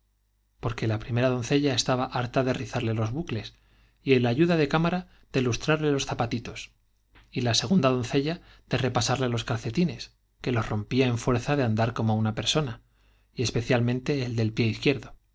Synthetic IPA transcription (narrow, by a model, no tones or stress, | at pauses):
po̞ɾke̞lapɾime̞ɾað̞o̞nθe̞ʎae̞st̪aβaʔaɾt̪aðe̞riθaɾle̞lo̞zβukle̞s | ielaʝuðaðe̞kamaɾa | ð̥e̞lust̪ɾaɾle̞lo̞sθapat̪it̪o̞s | ilase̞ɣ̞und̪að̞o̞nθe̞ʎa | ð̥e̞re̞pasaɾle̞lo̞skaɾθe̞t̪ine̞s | kelo̞sro̞mpiae̞ɱfwe̞ɾθaðe̞and̪aɾko̞mounape̞ɾso̞na | ie̞spe̞θjalmẽnt̪e̞ːld̪e̞lpje̞iθkje̞ɾðo̞